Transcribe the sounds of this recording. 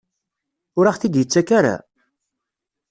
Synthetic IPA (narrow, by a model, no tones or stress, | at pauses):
ʊɾaχθid̪jət͡sːækaɾa̰